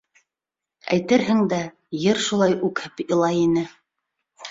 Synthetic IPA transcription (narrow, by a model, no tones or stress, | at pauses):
æ̰jt̪ɘɾɦɘŋd̪æ | jɘɾʃulˠɑjʉkhɘpɤ̆lˠɑjinɘ